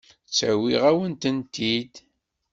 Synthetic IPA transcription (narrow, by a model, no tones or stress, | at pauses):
t͡sːæwiʁæwənt̪ənt̪id̪